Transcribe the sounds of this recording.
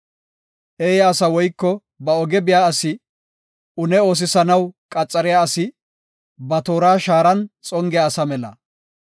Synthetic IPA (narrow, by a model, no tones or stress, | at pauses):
ʔeːjaːsɐwɔjkːɔ | bɐɔɡɛbɪjaːɐsɪ | ʔʊnɛo̞ːs̬ɪsɐnɐwkʼɐt͡sʼːɐɾɪjasɪ | bɐt̪oːɾaːʃaːɾɐnt͡sʼɔŋɡɪjaːsɐmɛlɐ̰